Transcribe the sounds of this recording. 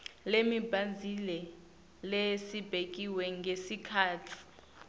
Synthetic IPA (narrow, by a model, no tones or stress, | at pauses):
lemib̥ʱand͡zʱilɛ | lesib̥ʱek̬ʼiwɛŋɡʱesikʰaːtʰi̥